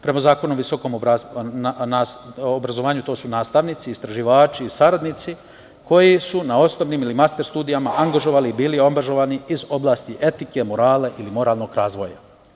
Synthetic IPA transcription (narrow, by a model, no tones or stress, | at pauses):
pɾe̞mazaːko̞noʋiso̞ko̞ːm | naobɾazoʋaːɲut̪o̞ːsunaːst̪aʋnit̪siːst̪ɾaʒiʋaːt͡ʃiːsaɾad̪nit̪si | ko̞jisunao̞snoʋniːmilimast̪e̞ɾst̪uːd̪ijamaʔaŋɡaʒo̞ʋaːliːbiːliaŋɡaʒo̞ʋaːniizo̞blˠaːst̪iʔe̞t̪ike̞moɾaːleʔilimo̞ɾaːlˠno̞ɡɾaːzʋo̞ja̰